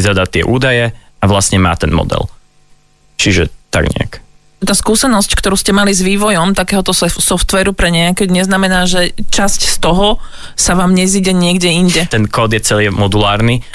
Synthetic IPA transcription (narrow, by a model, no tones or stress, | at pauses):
zad̪at̪ːɪɛ̰ʔuːd̪ajɛ | aʋlast̪ɲɛma̰ːt̪ɛnmɔ̰d̪ɛ̰l | t͡ʃiʒɛ̰t̪a̰ɡɲɛ̰a̰k | t̪aːskuːsɛnɔsckt̪ɔɾuːscɛmalizʋiːʋɔjɔmt̪akɛːɦɔt̪ɔssɔft̪ʋɛːɾupɾɛɲɛakɛɲɛznamɛnaːʒɛt͡ʃascst̪ɔɦɔ | saʋaːmɲɛziɟɛɲɪɛɡɟɛinɟɛt̪ɛnkɔːd̪jɛt͡sɛliːmɔd̪ulaːɾni